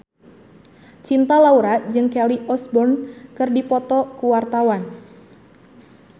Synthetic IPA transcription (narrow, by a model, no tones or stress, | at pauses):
t͡ʃint̪alauɾad͡ʒɨŋkɛliʔɔsbɔnkɨrdipɔt̪ɔkuwart̪awan